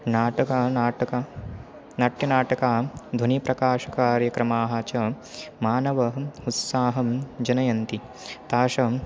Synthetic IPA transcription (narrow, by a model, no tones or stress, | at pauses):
naːʈɐkanaːʈɐkaː | nɐʈjɐnaːʈɐkaːd̪ʱunipɾɐkaːʃɐ̥kaːɾjɐkɾɐmaːɦɐt͡ʃɐ | maːnɐʋɐɦɐut̪saːɦɐmd͡ʒɐnɐjɐnt̪i | t̪aːʃɐ